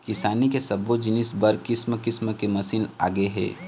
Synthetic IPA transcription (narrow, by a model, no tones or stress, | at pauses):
kɪsaːnikesɐbod͡ʒɪnɪsbɐɾkɪsməkɪsməkemɐsina̰ːɡəeɦɛ̰ː